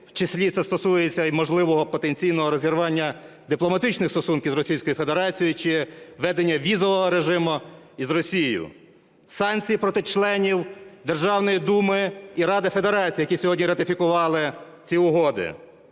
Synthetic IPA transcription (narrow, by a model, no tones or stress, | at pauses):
wt͡ʃɪsʲlʲit̪sɛst̪ɔsujet͡sʲːɐimɔʒlˠɪʋɔɦɔpɔt̪enʲt͡sʲijnɔɦɔɾɔzʲiɾʋɑnʲːɐ | d̪ɪplˠɔmɐt̪ɪt͡ʃnɪxst̪ɔsunkʲiwzrɔsʲijsʲkɔjʊfe̞d̪eɾɑt͡sʲijʊt͡ʃɪʋɛd̪enʲːɐʋʲizɔʋɔɦɔɾeʒɪmʊ | izrɔsʲijjʊ̰ | sɑnkt͡sʲijipɾɔt̪ɪt͡ʃlˠɛnʲiwd̪erʒɑwnɔjid̪umɪiɾɑd̪ɪfe̞d̪eɾɑt͡sʲijɐkisʲɔɦɔdʲnʲiɾɐt̪ɪfʲikʊʋɑlˠɪ | t͡sʲiʊɦɔd̪ɪ̰